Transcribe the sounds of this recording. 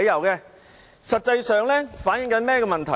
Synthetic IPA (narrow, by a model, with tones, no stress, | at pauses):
jɐ˨˩wkɛː˧ | sɐ˨t̚t͡sɐ˧jsœː˨ŋlɛː˥faː˨˥njɪ˧˥ŋkɐ˨˥nmɛː˥kɛ˧mɐ˨nt̪ʰɐ˨˩